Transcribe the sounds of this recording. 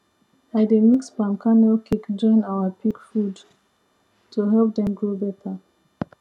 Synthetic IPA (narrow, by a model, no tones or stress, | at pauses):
ademikspãmkʰanokʰikd͡ʒɔ̃ɪ̃nawəpʰikfud | tʰuɦɛlp̚dɛ̃mɡɹobɛtʰə